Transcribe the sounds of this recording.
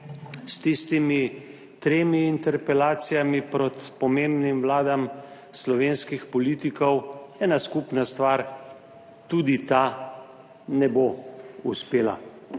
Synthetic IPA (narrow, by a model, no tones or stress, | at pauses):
st̪ist̪imi | t̪ɾeːmiːnt̪ɛɾpɛlaːt̪sijamipɾɔt̪pɔmeːmbnimʋlaːd̪am | slɔʋeːnskixpɔliːt̪ikɔwɛːnaskupnast̪ʋaːɾ | t̪ud̪it̪a | nɛbouspeːla̰